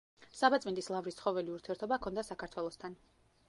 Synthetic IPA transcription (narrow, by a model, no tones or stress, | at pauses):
sabat̪sʼmind̪ʼislˠavɾist̪sʰχɔvɛliuɾt̪ʰiɛɾt̪ʰɔbakʰɔnd̪asakʰaɾt̪ʰwɛlˠɔst̪ʰan